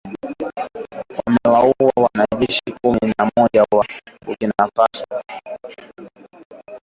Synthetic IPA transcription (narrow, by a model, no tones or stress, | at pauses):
kwam̩ɛwauwawanaʄɛʃikuminamɔʄawaukinafaswa